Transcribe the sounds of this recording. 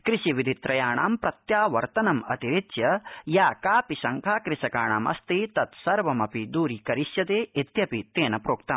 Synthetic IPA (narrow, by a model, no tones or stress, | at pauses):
kɾɪʃiʋid̪ʱit̪ɾɐjaːɳaːmpɾɐt̪jaːʋɐɾt̪ɐnɐmɐt̪iɾit̪jɐjaːkaːpiʃɐŋkʰaːkɾɪʃɐkaːɳa̰ːmɐ̰st̪it̪ɐt̪sɐɾʋɐmɐpid̪uːɾikɐɾiʃjɐt̪eːʔit̪jɐpit̪eːnɐpɾoːk̚t̪ɐm